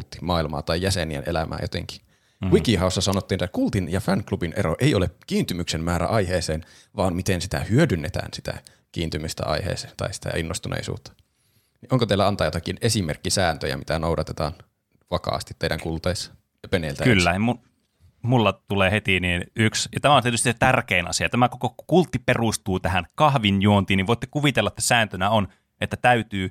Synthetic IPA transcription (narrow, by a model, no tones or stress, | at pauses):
lt̪ːi̥mɑːilmɑ̰ːt̪ɑijjæseniḛnʔḛlæmʔæ̰ːjot̪ḛŋki̥ | wikihɑˑosːɑsɑnot̪ːiːnet̪ːkult̪injɑfæŋklubinʔeɾoʔeiolekiːnt̪ymyksemmæːɾæ̰ʔɑjheːseːn | ʋɑːmmit̪ensit̪æ̰hyødynːet̪æ̰ːnsit̪æ̰ | kiːnt̪ymyst̪æ̰ʔɑ̰ihḛːse̥ːnt̪ɑ̰isi̥t̪æ̰inːost̪unḛisṵːt̪ːɑ̥ | niʔoŋkot̪eilːæɑnt̪ɑːjoɑkinesimerkːisæːnt̪øjæ̰mit̪ænoudɑt̪et̪ɑ̰ːn | ʋɑkɑ̰ːst̪it̪ːeidæŋkult̪eːsːɑ̥ | penelt̪ækylːæmun | mulːɑt̪uleːhet̪iniːnyksjɑt̪æmæˑoniet̪yst̪iset̪ærkeːnɑ̰siɑt̪æmækokokult̪ːiperust̪uːt̪æhænkɑhʋinjuont̪iːniʋoˑit̪ːekuʋit̪elːɑet̪ːæ̥sæːnt̪ønæon | et̪ːæt̪æyt̪yː